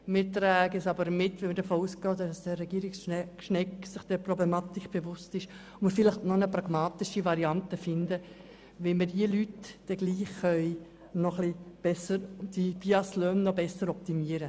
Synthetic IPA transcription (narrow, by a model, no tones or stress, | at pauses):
mɪt̪ɾɛːɡəsɑbəɾmɪtʋɛnməɾdəfoːusɡɔːd̥ɑssd̥ɛɾɛɡ̥iːɾɪksʃnɛksɪχd̥ɛprɔblematikb̥evʊstɪʃ | məfɪlɪχtnɔnəpɾaɡ̥mɑːtɪʃivaɾiɑntəfɪndə | ʋɪmədiəlytd̥ɛɡ̥liːχːœʏ | nɔχlib̥ɛsəɾd̥ib̥iɑsløːnnɔbɛsəɾɔp̚timiəɾə